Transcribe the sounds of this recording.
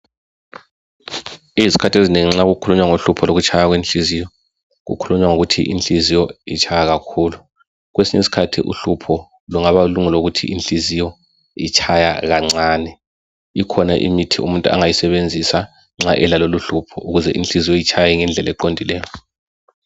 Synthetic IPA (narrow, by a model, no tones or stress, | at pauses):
iizi̥kʰatʰezineŋiŋ͡ǁaɣukʰuluɲwaŋoɬupʰɔloɣut͡ʃʼʰajaɣwenɬizijɔ | ɣṵkʰuluɲwaŋoɣutʰḭʔḭnt͡ɬizijɔit͡ʃʰajaɣakʰuːlu | ɣwesiɲesi̥kʰatʰḭʔṵɬupʰɔ | luŋaβaluŋulouɣutʰḭʔinɬizijɔ | it͡ʃʰajaɣaŋ͡ǀaːnɛ | ikʰɔnaʔḭmitʰiṵmuntʼua̰ŋajisɛβend͡zʱisa | ŋ͡ǁaʔɛlaloluɬupʰɔ̰ʔuɣuzɛʔḭnɬizijɔjit͡ʃʰajɛŋɛnd͡ɮʱɛlɛǃondʱilɛːjɔ